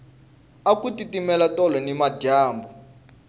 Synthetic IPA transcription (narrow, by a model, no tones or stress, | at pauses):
akutitimɛlatɔlɔnimaɟaːmbɔ